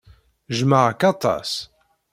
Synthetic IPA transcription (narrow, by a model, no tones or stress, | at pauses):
ʒməʁəkɑt̪ˤɑ̰s